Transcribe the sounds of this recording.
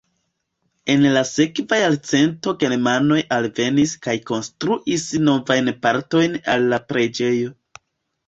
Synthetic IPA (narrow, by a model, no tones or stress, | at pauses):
e̞nlase̞kvajalt͡se̞nto̞ɡe̞ɾmano̞jalve̞niskajko̞nstɾuʔisno̞vajnpaɾto̞jna̰lːapɾe̞d͡ʒe̞jo̞